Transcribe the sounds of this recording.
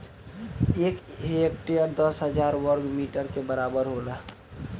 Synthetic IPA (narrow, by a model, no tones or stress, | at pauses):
eːkek̚ʈejəɾd̪əsɦəd͡ʒaːɾwəɾɡmiːʈəɾkebəɾaːbəɾɦola